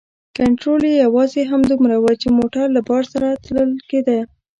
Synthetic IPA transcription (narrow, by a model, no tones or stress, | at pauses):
kaɳʈɾolejawɑzeɦamd̪umɾawət͡ʃemoʈaɾlabɑɾsaɾat̪ləlked̪a